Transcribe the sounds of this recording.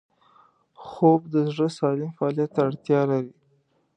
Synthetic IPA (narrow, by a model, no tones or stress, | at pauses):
xobd̪əzɽəsɑlɪmfaɑlijat̪ːaɽt̪jɑlaɾi